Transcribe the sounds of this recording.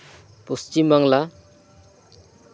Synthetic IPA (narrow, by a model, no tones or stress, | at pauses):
pust͡ʃimʌŋla